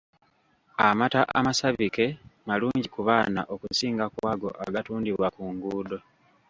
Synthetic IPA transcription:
amataʔa̰masaβike̞maluːɲɟikuβaːna̰ʔo̞kusiːŋɡakwaɡo̞̰ʔa̰ɡatuːndiβwakuŋɡuːdo̞

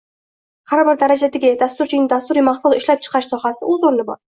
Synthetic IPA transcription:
haɾbɪɾd̪aɾad͡ʒad̪ɪɡʲɪd̪ast̪ʊɾt͡ʃʰɪjnɪd̪ast̪ʊɾimɑχt̪ˠʊlˠɪʃlap̚t͡ʃʰɨ̥qʰɑʃsɒhasɪʔʊzoɾlɪbɒ̰ɾ

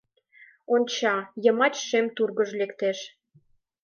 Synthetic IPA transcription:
onʲt͡ɕɑjəmɑt͡ɕʃemt̪urɣəʒlekt̪eʃ

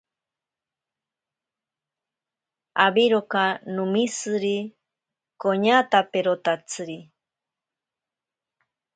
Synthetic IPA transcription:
aβiɾokanũmĩsɨɾi | koɲat̪apeɾot̪at͡sɨɾi

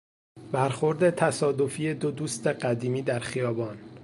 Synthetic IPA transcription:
bæɾxo̞ɾd̪e̞t̪ʰæsɒːd̪o̞fiːe̞d̪od̪uːst̪e̞ɢæd̪iːmiːd̪æɾxijɒːbɒːn

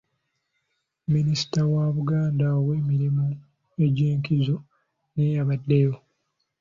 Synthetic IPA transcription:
minisi̥tawaβuɡaːndaoβwe̞ːmiɾimu | e̞ɟeːŋkizo | ne̞jaβadːejo

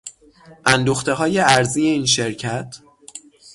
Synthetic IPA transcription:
ʔænd̪oxt̪e̞ɦɒːje̞æɾziːjeiːnʃe̞ɾcʰæt̪ʰ

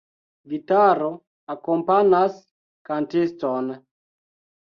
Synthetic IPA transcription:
vitaɾo | akompanas | kantiston

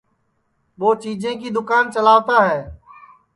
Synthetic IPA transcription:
ɓoːt͡ʃiːd͡ʒʱẽːk̬iːd̪ʊkaːnt͡ʃəlaːʋt̪aːɦɛː

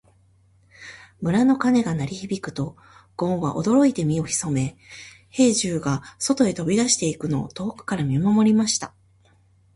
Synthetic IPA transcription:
mɯ̟ɾano̞kane̞ɡanaɾʲiçibʲikɯ̟̥t̪o̞ | ɡ̥õ̞ɰ̃βaʔo̞̰d̪o̞ɾo̞it̪e̞mʲio̞çi̥so̞me̞ | he̞ːʑɨːɡaso̞t̪o̞e̞t̪o̞bʲid̪aɕi̥t̪e̞ikɯ̟no̞ːt̪o̞ːkɯ̟̥kaɾamʲimamo̞ɾʲimaɕi̥t̪a

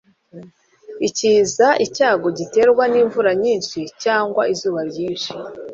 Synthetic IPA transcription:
iciːzaʔicaːɡo̞ɟite̞ːɾɡwaniːɱvuɾaɲiːnʃicaːŋɡwaʔizuːβaɾɟiːnʃi̥

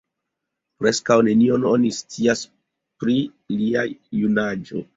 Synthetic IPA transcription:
pɾe̞skawne̞nio̞no̞nist͡sias | pɾi | liajunad͡ʒo̞̰

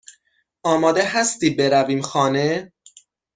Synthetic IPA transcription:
ɒːmɒːd̪eɦæst̪iːbe̞ɾæviːmxɒːne

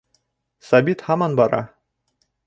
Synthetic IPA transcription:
sabit̪hɑmɑnbɑɾɑ̰

